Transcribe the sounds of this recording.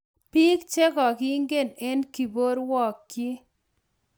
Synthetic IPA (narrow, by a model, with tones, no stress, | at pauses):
pi˦kt͡ʃe˦kɔ˨kɪ˦ŋɡe˦˨ne˦nki˨bo˦ɾwɔ˨kːi˦